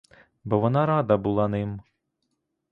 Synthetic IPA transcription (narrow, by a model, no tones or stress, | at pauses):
bɔʋɔnɑɾɑd̪ɐbulˠɑnɪm